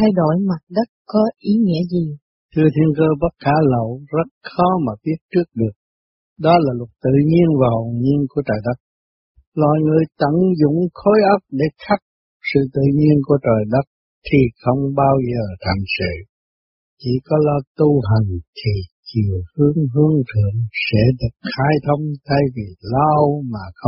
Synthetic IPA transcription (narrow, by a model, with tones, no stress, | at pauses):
t̪ʰa˧jɗo˧˩jma˨˩t̚ɗə˦˥t̚kːɔ˨˦ʔi˨˦ŋḭ˧˥əzi˨˩ | t̪ʰɨ˧ət̪ʰi˧ənkəː˧ɓə˦˥t̚kaː˧˩lə˧˨wzə˦˥t̚xɔ˨˦maː˨˩ɓi˦˥ət̚t͡ɕɨ˦˥ək̚ɗɨ˨˩ək̚ | ɗɔ˨˦laː˨˩lʊ˨˩t̚t̪ɨ̰˧˨ɲi˧ənvaː˨˩ho˨˩˨ɲi˧ənku˧˩ət͡ɕaː˨˩jɗə˦˥t̚ | lwa̰˧˨jŋɨ˨˩əjt̪ə̰˧˨nzʊ̰˧˨ŋ͡mxo˨˦jʔə˦˥p̚ɗe˧˩xa˦˥p̚ | sɨ̰˧˨t̪ɨ̰˧˨ɲi˧ənku˧˩ət͡ɕəː˨˩jɗə˦˥t̚ | t̪ʰi˨˩xə˧wŋ͡mɓaː˧wzəː˨˩t̪ʰa˨˩ŋsɨ̰˧˨ | t͡ɕi˧˥kɔ˨˦lɔ˧wt̪u˧ɦa˨˩jŋ̟t̪ʰi˨˩t͡ɕi˨˩əhɨ˨˦əŋɦɨ˧əŋt̪ʰɨ˧˨əŋsɛ̰˧˥ɗɨ˨˩ək̚xaː˧jt̪ʰə˧wŋ͡mt̪ʰa˧jvi˨˩la˧wmaː˨˩xə˧w